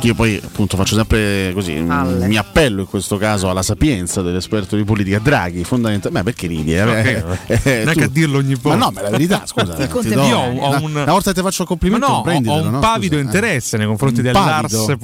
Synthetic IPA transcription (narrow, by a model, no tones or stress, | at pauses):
iːopɔja̰pːunt̪ofat͡ʃːosɛmpɾekozḭmiapːɛlːoiŋkwest̪okaːzoalːasapjɛnt̪sad̪elːespɛrt̪od̪ipoliːt̪ikad̪ɾa̰ːɡ̟ifond̪ament̪amapːeɾk̟eɾḭːd̪jea | naŋkeaad̪ːirlooɲːipːmnɔmelaveɾit̪a̰skːzaid̪ɔioɔɔunnavɔlt̪aet̪ːefat͡ʃːoakːomplimenɔpɾɛnd̪iɔumnɔpavid̪oint̪eɾɛsːenejkoɱfɾont̪id̪epaard̪soe